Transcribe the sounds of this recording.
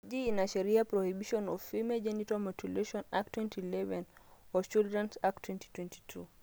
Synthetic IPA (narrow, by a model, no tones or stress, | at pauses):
d͡ʒiːnaʃeɾiapɾohibiʃɔnɔfimɛd͡ʒenitɔmotuleʃɔnak̚twɛntilɛvɛnʔɔt͡ʃuldɾɛnsaktwɛnti̥twɛnti̥tʰṵ